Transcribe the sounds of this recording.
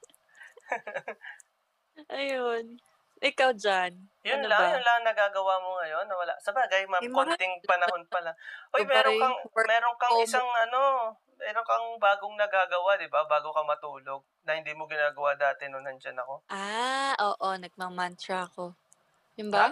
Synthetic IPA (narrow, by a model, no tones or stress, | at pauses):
ʔɐjon | ʔɪkawd͡ʒan | jʊnlaŋjʊnlɐŋnɐɡaːɡɐwamo̞ŋɐjo̞nːɐwɐla̰ʔsɐbaːɡɐjmamkont̪ɪŋpɐnɐho̞npɐlaʔojmɛːɾokɐŋmɛːɾoŋkɐŋɪsaŋʔɐno̞ | mɛːɾoŋkɐŋbaːɡoŋnɐɡaːɡɐwad̪ɪbabaːɡokɐmɐt̪uːlo̞ɡ̚nɐhɪnd̪iːmoɡɪnaːɡɐwad̪aːt̪ɪnʊnhɐnd͡ʒɐnɐko̞ʔaʔoːʔo̞nɐɡ̚mɐmant̪ɹɐɐko̞ | jʊnba